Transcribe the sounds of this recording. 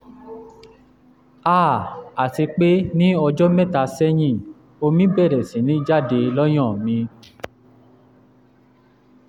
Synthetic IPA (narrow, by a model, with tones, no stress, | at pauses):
a˦˨a˨ti˧k͡pe˦nĩ˦ɔ˧d͡ʒɔ˦mɛ̃˦˨ta˧sɛ˦j̃ĩ˦˨ | o˧mĩ˦bɛ˦˨ɾɛ˨sĩ˨˦nĩ˨˦d͡ʒa˦˨de˧lɔ˦j̃ɔ̃˦˨mĩ˧